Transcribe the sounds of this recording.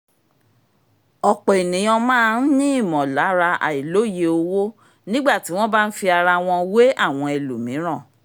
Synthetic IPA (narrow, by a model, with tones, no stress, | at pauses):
ɔ˨k͡pɔ˨e˨nĩ˨˦ɔ̃˧mãː˦˧n̩˦nĩ˦i˦˨mɔ̃˨la˨˦ɾa˧ʔa̰˨i˨lo˨˦˨je˧o˧wo˦ | nĩ˦ɡ͡ba˦˨ti˨˦w̃ɔ̃˦ba˦n̩˦fi˧a˧ɾa˧w̃ɔ̃˧we˦ʔa˦˨w̃ɔ̃˧ɛ˨lu˨mĩ˨˦ɾ̃ã˦˨